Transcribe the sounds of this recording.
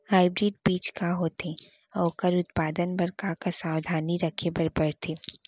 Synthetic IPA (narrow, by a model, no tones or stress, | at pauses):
haːɪbɾɪɖ̚biːt͡ʃkaɦoːt̪e | ɔkəɾʊt̪̚paːd̪ənbɐɾkakasaːwd̪ʱaːniɾɐkʰebɐɾbɐɾt̪ʰeː